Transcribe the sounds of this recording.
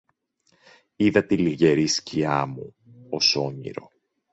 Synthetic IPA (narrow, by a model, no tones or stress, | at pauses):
iðɐt̪iliʝe̞ɾisciɐmu | oso̞ɲḭɾo̞